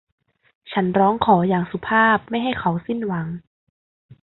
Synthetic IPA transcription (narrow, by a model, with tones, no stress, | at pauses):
t͡ɕʰa˦˥nɾɔː˦˥ŋkʰɔː˩˦jaː˨˩ŋsu˨˦pʰaː˥˩p̚ma˥˩jɦa˥˩jkʰa˨˦wsi˥˩nwa˨˩˦ŋ